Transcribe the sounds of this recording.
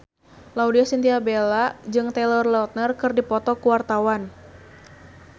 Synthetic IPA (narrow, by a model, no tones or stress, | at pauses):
laudiɔsint̪iabelad͡ʒɨŋt̪ɛlɔrlɔt̪̚nərkɨrdipɔt̪ɔkuwart̪awan